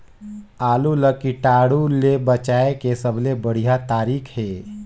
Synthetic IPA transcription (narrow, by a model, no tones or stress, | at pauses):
aːluləkiʈaːɽulebət͡ʃaːekesəbʱlebəɽ̤ijat̪aːɾiːkʰɦeː